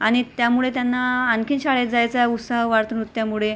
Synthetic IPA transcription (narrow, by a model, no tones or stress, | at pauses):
aɽ̃it̪jamuɭet̪janːaːnkʰiːnɕaɭed͡zajt͡saut̪saɦʋaɾt̪ənut̪ːjamuɭe